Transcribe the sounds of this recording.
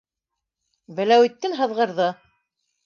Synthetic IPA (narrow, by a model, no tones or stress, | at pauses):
bæ̆læwit̪ːɘnɦɤ̆ðʁɤ̆ɾðɤ